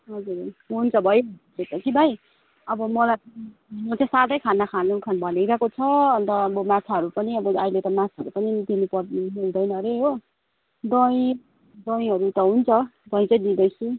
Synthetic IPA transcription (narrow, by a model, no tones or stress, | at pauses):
ɦʌd͡zuɾɦunt͡sʰʌbʱʌjlet̪ʌkibʱaj | ʌbʌmʌlapʌinot̪ʰʌsad̪ʌjkʰanːʌkʰanukʰanbʱʌneɾakot͡sʰʌʌnt̪ʌːbʌmat͡sʰaɦʌɾupʌniʌbʌajlet̪ʌmat͡sʰaɦʌɾupʌnit̪imipʌmuld̪ʌjnʌɾeɦo | d̪ʌj̃ | d̪ʌj̃ɦʌɾut̪ʌɦunt͡sʰʌd̪ʌj̃t͡sʌjd̪id̪ʌjt͡sʰu